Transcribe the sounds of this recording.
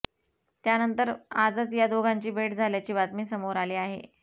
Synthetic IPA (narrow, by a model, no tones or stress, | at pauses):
t̪janənt̪əɾad͡zat͡sjad̪oɡʱaɲt͡ɕiːbeʈd͡zʱaljat͡ɕiːbat̪miːsəmoɾaliːaɦḛ